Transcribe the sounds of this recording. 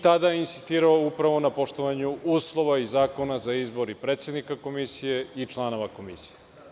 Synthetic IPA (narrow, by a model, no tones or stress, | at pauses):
t̪ad̪ajeinsi̥st̪iːɾaoupɾaʋo̞napo̞ʃt̪oʋaɲuuːslˠo̞ʋaizaːko̞nazaizbo̞ɾipɾet̪sje̞d̪nikako̞misije̞it͡ʃlˠano̞ʋako̞misije